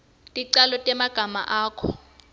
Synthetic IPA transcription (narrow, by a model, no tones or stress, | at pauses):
tʼiǀalɔtʼɛmaɡ̥ʱama̰ʔaːkʰɔ